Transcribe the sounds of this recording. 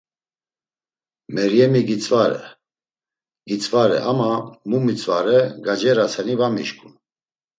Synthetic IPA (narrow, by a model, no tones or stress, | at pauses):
mɛɾjɛmiɡit͡sʼvaɾɛ̰ | ɡit͡sʼvaɾɛ̰ʔamamumit͡sʼva̰ɾɛɡad͡ʒɛɾat͡sʰɛnivamḭʃkʰʼun